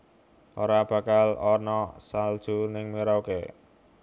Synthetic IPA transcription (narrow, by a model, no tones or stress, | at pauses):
ʔoɾab̥ä̤kalɔnɔsald̥ʒ̥ṳnɪŋmiɾauke